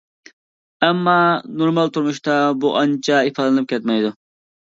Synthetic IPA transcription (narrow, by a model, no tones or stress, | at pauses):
ɛmːɑːnoɾmɑlˠt̪ʰuɾmuʃt̪ɑbuʔɑnt͡ʃʰɑifɑːd̪ɨnɨp̚kʲʰɛt̪mɛjd̪u